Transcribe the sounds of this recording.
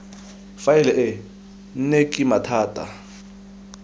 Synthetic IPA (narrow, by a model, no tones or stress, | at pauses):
faɛlɛʔɪ | n̩nekʼimatʰaːtʼa̰